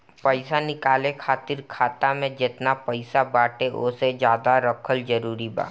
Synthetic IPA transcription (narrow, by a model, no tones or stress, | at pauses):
pəɪsanɪkaːlẽkʰaːt̪ɪɾkʰaːt̪amẽd͡ʒɪt̪napəɪsabaːʈeʔo̰sed͡ʒjaːd̪aɾəkʰəld͡ʒəɾuːɾiba̰ː